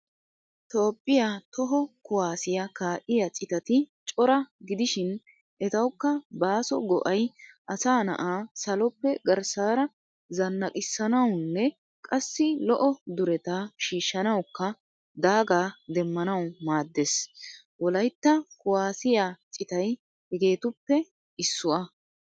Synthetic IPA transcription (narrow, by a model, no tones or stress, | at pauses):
t̪o̞ːpʼːɪjat̪ɔɦɔkʊwaːsɪjɐkaːʔɪjɐt͡sʼɪt̪ɐt̪ɪt͡ʃʼɔɾɐɡɪd̪ɪʃɪn | ʔɛt̪ɐwkːɐbaːsɔ̰ɡɔ̰ʔɐjʔɐsaːnɐ̰ʔaːsɐlɔpːɛɡɐɾsaːɾɐ | zɐnːɐkʼɪsːɐnɐwnːɛ | kʼɐsːɪlɔʔɔd̪ʊɾɛt̪aʃiːʃːɐnɐwkːɐ | d̪aːɡaːd̪ɛmːɐnɐwmaːd̪ːes | wɔlɐjt̪ːɐkʊwaːsɪjat͡sʼɪt̪ɐj | hɛɡe̞ːt̪ʊpːɛ | ɪsːʊʔɐ